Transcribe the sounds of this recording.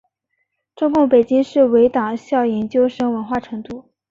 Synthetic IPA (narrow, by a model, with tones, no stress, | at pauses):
ʈ͡ʂʊ˥ŋkʊ˥˩ŋpe˨˩ɪt͡ɕi˥ŋʂɻ̩˥˩we˧˥ɪt̪ɑ˨˩ŋɕjɑ˥˩ʊjɛ˧˥nt͡ɕjo˥ʊʂɤ˥ŋwə˧˥nxwa˥˩ʈ͡ʂʰɤ˧˥ŋt̪u˥˩